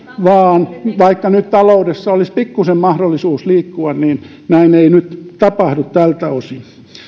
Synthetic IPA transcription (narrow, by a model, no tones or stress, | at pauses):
ʋɑːnʋɑikːɑnyt̪t̪ɑloudesːɑolispikːusemmɑhdolːisuːsliːkːuɑnniːn | næineinyt̪t̪ɑpɑhdut̪t̪ælt̪æosin